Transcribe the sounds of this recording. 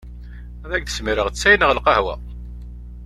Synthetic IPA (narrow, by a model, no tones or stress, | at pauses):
ðæɡðəsmiɾəʁt͡sːæjnəʁəlqɑhwæ̰